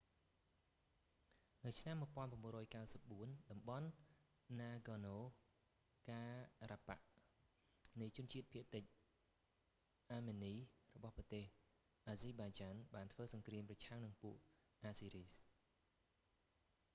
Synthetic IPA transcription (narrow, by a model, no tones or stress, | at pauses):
nɨwt͡ɕʰnamːuəjpoənpəmɓŭərɔːjkawsəp̚ɓuənɗɑmɓɑnː | aːɡɔːnoː | kaːrapa̰ʔ | nɨjt͡ɕʊənt͡ɕiət̪̚pʰiəʔt̪ɨc̚ | ʔaːmeːniːrɔɓɑhprɑt̪eːh | ʔaːziːɓaːt͡ɕaːnɓaːnt̪ʰʋəːsɑŋkriəmprɑt͡ɕʰaŋnɨŋpuəʔʔaːsiːɾiːs